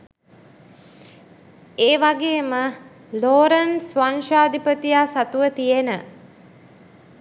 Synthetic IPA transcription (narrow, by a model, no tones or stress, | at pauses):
eːʋaɡeːmə | loːɾənsʋanʃaːd̪ipət̪ijaːsat̪uʋət̪ijenə